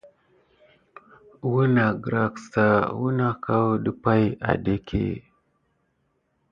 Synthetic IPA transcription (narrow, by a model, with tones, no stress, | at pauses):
wu˦na˨ɡɾa˨ksa˨wu˦na˦ka˦wɗə˦pa˦ja̰˨de˦kʰḛ˦˨